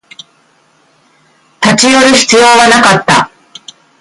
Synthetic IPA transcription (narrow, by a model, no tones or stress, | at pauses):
t̪at͡ɕijo̞ɾʲiçi̥t͡sɨjo̞ːβanakat̪ːa̰